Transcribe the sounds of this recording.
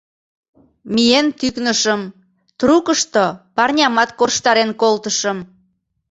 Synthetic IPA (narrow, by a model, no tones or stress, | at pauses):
mijent̪yknəʃəm | t̪rukəʃt̪opɑrnʲɑmɑt̪korʃt̪ɑɾenkolt̪əʃəm